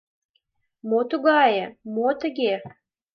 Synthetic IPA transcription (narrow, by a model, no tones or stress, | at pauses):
mot̪uɣɑjəmot̪əɣe